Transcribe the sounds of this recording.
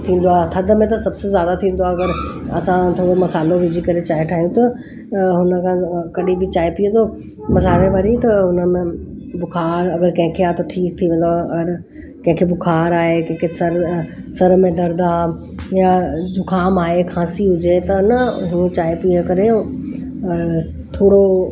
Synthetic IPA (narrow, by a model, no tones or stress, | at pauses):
t̪ʰĩːn̆d̪oaːt̪ʰɐd̪əmẽt̪ɐsɐbsezjaːd̪at̪ʰĩːnd̪oaːɐɡəɾɐ̰sãt̪ʰoːɽomɐsaːloʋɪd͡ʑʱikɐɾet͡ɕaːiʈʰaːɦijũt̪ʰɐ | ɦʊnə̆kʰãkɐɗibɪt͡ɕaːipijə̃t̪o | mɐsaːleʋaɾit̪ɐɦʊnəmẽ | bʊkʰaːɾɐɡəɾkɐ̃ɦɪ̃kʰeaːt̪ʰoʈʰiːk̚t̪ʰiʋẽːn̆d̪oaːɐɡəɾ | kɐ̃ɦɪ̃kʰebʊkʰaːɾaːɦekɐ̃ɦɪ̃kʰesɐɾ | sɐɾmẽd̪ɐɾd̪aː | jad̪ʊkʰaːmaːɦekʰaːsiɦʊd͡ʑet̪ɐnəɦũt͡ɕaːipiə̃kɐɾeo | t̪ʰoːɽo